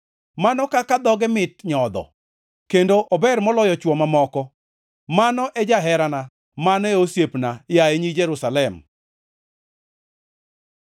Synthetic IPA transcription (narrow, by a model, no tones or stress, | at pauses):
manɔkakad̪ɔɡɛmɪtɲɔd̪ɔ̰ | kendoʔɔbɛrmɔlɔjɔt͡ʃwɔmamɔkɔ | manɔʔɛd͡ʒaɦɛɾana | manɔeosjepnajaeɲid͡ʒɛɾusalɛm